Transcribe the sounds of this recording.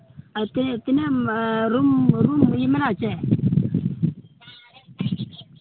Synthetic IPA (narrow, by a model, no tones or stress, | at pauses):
attineɾumɾumjimɪnat͡ʃɛ